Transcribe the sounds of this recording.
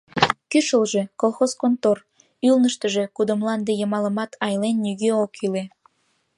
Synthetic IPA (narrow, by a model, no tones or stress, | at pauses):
kyʃəlʒe̽kolˠxoskont̪or | ylnəʃt̪əʒekud̪ə̆mlɑnd̪ejəmɑləmɑt̪ʰɑjlenːyɣøokyle